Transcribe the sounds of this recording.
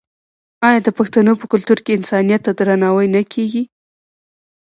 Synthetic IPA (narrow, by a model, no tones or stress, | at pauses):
ɑjɑd̪əpaxt̪anopəkʊlt̪uɾkeɪnsɑnijat̪ːad̪ɾanɑwəjnakʰeɡi